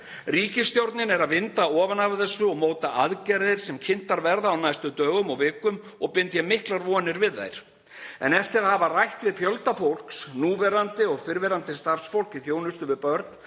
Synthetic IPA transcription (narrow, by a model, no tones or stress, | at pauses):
riːcɪsːt̪jowɾt̪nɪnɛɾaðvɪnt̪aɔːvanaɾθɛsːʏɔɣmoːwt̪aʔaðcɛɾðɪɾ̥sɛmcʰɪn̥t̪aɾvɛɾðaːwnajst̪ʏt̪œːɣʏmɔɣvɪːkːʏm | ɔɣpɪnt̪jamɪhklaɾvɔːnɪɾvɪðːa̰jɾ̥ | ɛ̰nɛft̪ɪɾaðhavarajht̪vɪðfjœlt̪afowl̥ksnuːvɛɾant̪ɪɔɣfɪɾvɛɾant̪ɪst̪ar̥sfowl̥cɪθjoːwnʏst̪ʏvɪpœɾt̪n